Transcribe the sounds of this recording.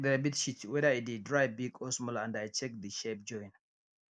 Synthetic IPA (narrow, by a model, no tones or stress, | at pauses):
ðɛabitʃitwɛðaidid̚dɹajbiɡʰɔsmɔlãndajt͡ʃɛk̚ðiʃɛp̚d͡ʒɔ̃j̃n